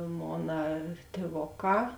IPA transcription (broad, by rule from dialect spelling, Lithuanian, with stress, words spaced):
ˈmoːnɐ tʲeːˈʋoːˌkɑː